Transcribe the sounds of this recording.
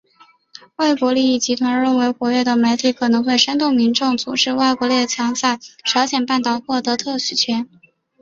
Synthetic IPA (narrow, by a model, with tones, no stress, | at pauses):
wa˥˩ɪkwɔ˧˥li˥˧i˥˩t͡ɕi˧˥t̪ʰwa˧˥nɻə˥˩nwe˧˥ɪxwɔ˧˥ɥɛ˥˩d̪ə˩me˧˥ɪt̪ʰi˨˩kʰɤ˨˩nɤ˧˥ŋxwe˥˩ɪʂə˥nt̪ʊ˥˩ŋmi˧˥nʈ͡ʂʊ˥˩ŋt͡su˨˩ʈ͡ʂɻ̩˥˧wa˥˩ɪkwɔ˧˥ljɛ˥˩t͡ɕʰjɑ˧˥ŋsa˥˩ɪʈ͡ʂʰɑ˧˥ʊɕjɛ˨˩npa˥˩nt̪ɑ˨˩ʊxwɔ˥˩t̪ɤ˧˥t̪ʰɤ˥˩ɕy˨˩t͡ɕʰɥɛ˧˥n